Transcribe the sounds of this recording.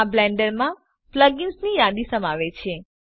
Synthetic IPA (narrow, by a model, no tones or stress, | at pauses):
ablɛɳɖəɾmã | pləɡɪnsnijad̪isəmaʋet͡ʃʰe